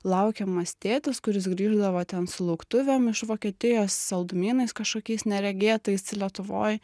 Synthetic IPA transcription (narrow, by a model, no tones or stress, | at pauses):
lˠɐʊkʲɛmɐsʲt̪ʲeːt̪ʲɪskʊɾʲɪsɡɾʲiːʒd̪ɐʋoːt̪ʲɛnsʊlˠɐʊkt̪ʊʋʲɛmɪʃʋoːkʲiɛt̪ʲɪjoːssɐlˠd̪ʊmʲiːnɐɪskɐʃkoːkʲɛɪsnʲɛɾʲɛɡʲeːt̪ɐɪsɪlʲiɛt̪ʊʋo̰ːj